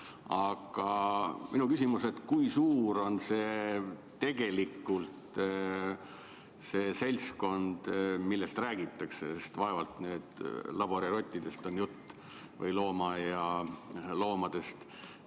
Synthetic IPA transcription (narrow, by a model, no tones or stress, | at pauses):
ɑɡ̥ɑminukysimuse̞t̪kujsuːɾo̞nseː | e̞ɡ̥e̞likːˑult̪ | se̞ːse̞lʲsko̞nd̪̥milːe̞st̪ræːɡit̪ːˑɑksesest̪vɑe̞vɑlt̪ne̞ːd̪̥lɑb̥oɾiɾo̞t̪ʲːid̪̥e̞st̪o̞njut̪ː | vɤ̰jlo̞ːmɑjɑ | lo̞ːmɑd̪̥e̞st̪